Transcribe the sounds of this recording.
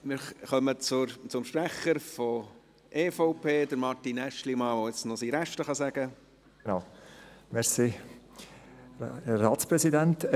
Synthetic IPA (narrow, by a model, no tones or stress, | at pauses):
mɪɾχœmət͡sʊt͡sʊmʃpɾɛχəɾfɔ | ʔeːfoʊpʰeːdəɾmɑɾtinɛʃlimɑːʋoɪt͡snosiːɾæʃtəχɑsæɡ̥ə | ɡ̥enaʊmɛɾsi | ɾɑːtspɾɛsidɛnt